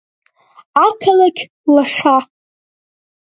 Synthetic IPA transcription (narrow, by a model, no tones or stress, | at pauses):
akʰalaɡʲ | laʂa